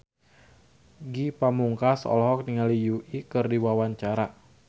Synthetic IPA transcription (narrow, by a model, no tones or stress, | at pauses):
ɡipamuŋkasɔ̰lɦɔk̚niŋalijuikɨrdiwawaɲt͡ʃaɾa